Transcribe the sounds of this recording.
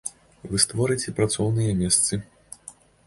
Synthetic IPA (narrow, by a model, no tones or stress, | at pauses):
vɨst̪vɔɾɨt͡sʲɛpɾat̪sɔwnɨjɐmʲɛst̪sɨ